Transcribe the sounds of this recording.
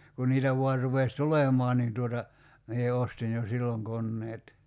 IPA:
kun niːtæ ʋoɑr rupes tulemɔɑn nin tuotɑ mie ostin jo silːoŋ konːeːt

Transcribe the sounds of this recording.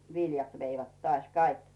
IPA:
ʋiljɑt ʋeiʋæt tŏɑˑsʲ kɑik

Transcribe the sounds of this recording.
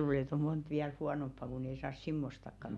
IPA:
luːle et o mont ʋiæl huɑnompːɑ kun ei sɑːs simːostɑkːɑn

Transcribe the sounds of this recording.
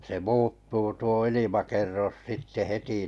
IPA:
se muːtːuː tuo ilimɑkerːos sitːe heti

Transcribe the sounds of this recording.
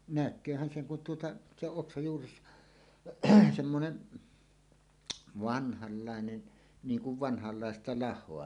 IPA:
nækˑøːhæn seŋ kun tuotɑ se oʔ ʔoksɑj juːres semːonen ʋɑnhɑlːɑˑenen niːŋ kuʋ ʋɑnhɑlːɑˑestɑ lɑhˑoɑ

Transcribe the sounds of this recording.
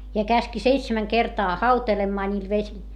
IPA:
jɑ kæski seitsemæŋ kertɑː hɑutelemːɑː nʲiːl ʋesil

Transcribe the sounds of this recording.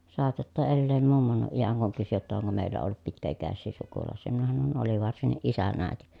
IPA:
sɑːtɑtːɑ elːeːm mumːonuʔ ʔijæŋ kuŋ kysy jotːɑ oŋko meˑi̯lːæ olːut pitkæikæsːiː sukulɑˑĕsˑiː minæ hɑnon oli ʋɑrsinːiʔ ʔisæn æˑeti

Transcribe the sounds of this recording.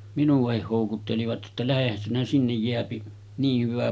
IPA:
minuʋ̆ɑhih hoˑukutːeliʋɑt jotːɑ læhehæn sinæ sinːej jeæpi niː hyʋæ

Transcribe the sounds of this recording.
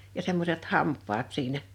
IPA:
jɑ semːoset hɑmpˑɑːt siːnæ

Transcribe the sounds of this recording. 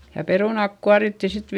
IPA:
jɑ peruˑnɑˑk kuɑritːi sit

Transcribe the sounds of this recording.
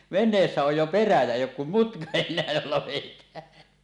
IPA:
ʋenˑeːsːæ oj jo peræ jæ eˑijˑ oːk kum mutkɑ enˑeæ jolːɑ ʋeˑitˑæːn

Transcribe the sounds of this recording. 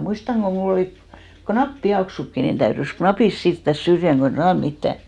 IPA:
muistɑŋ ɡ̊o mul oliˑ ko knɑpːiɑksukːi nin tæyrys knɑpis siːrtːæs syrjæŋ ɡ̊o ei sɑːn mitːæ

